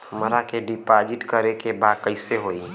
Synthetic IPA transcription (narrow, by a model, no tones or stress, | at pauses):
məɾakeɖɪpaːd͡ʒɪʈkəɾekebaːd̪̚kəɪseɦoːi